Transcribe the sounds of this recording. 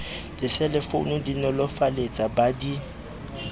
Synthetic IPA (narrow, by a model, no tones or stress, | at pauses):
d̥ɪsɛlɛfo̰nʊdinɔlɔfalet͡sʼabadi